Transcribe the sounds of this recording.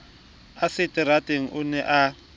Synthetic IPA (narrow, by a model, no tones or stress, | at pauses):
asɪtʼɪratʼeŋ̩ʔʊnɛʔa